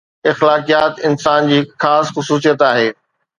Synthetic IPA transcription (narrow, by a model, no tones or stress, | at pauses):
ɪxlaːkijaːt̪ɪnsaːnd͡ʑiːxaːsxʊsuːs̬ijət̪aːɦeː